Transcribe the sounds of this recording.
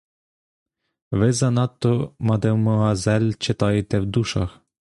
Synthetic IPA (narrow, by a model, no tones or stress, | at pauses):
ʋɪzɐnɑt̪ːɔmɐd̪ɛwmɔɦɑzɛlʲt͡ʃet̪ɑjet̪ɛwd̪uʃɑ̰x